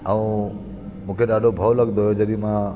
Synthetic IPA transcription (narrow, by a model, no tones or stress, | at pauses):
əũ | mũːkʰeɖaɖʱobʱəʋləɡd̪oɦed͡ʒəd̪imã